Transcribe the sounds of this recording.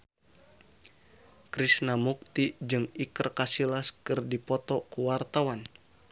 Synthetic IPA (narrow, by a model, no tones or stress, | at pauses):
kɾisnamuk̚t̪id͡ʒɨŋikɨrkasilaskɨrdipɔt̪ɔkuwart̪awan